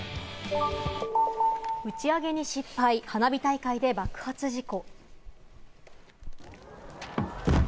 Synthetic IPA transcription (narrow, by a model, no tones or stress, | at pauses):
ɯ̟t͡ɕiaɡe̞ɲ̟iɕipːaihanabʲit̪aikaid̪e̞bakɯ̟̥hat͡sɨʑiko̞